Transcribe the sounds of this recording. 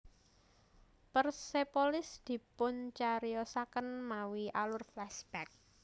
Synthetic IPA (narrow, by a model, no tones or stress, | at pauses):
pərsepolɪsd̪̥i̤pʊnt͡ʃaɾijɔsakənmawiʔalʊrflɛsb̥ɛk̚